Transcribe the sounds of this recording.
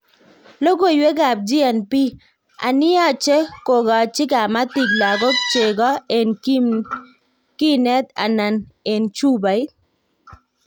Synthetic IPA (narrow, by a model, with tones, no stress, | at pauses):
lo˦ɡo˨jwe˦ɡa˨b̚d͡ʒi˦ɛ˨npi˦ | a̰˨nɪ˦ɔ˦˨t͡ʃe˦ko˨ɡɔ˨t͡ʃɪ˦ka˨ma˦ti˨ɡ̚la˨ɡɔ˦k̚t͡ʃe˨ɡɔ˦e˨n | ki˦nɛ˦t̪a̰˨na˨ne˨nt͡ʃu˦ba˨ɪ˦